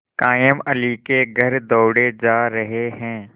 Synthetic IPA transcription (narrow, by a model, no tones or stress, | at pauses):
kaːjəmɐlikeɡʱɐɾd̪ɔːʊɽed͡ʒaːɾɐɦeɦɛ̃ː